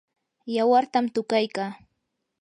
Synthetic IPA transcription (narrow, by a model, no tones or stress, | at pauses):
jawaɾt̪amt̪ʊkajkaː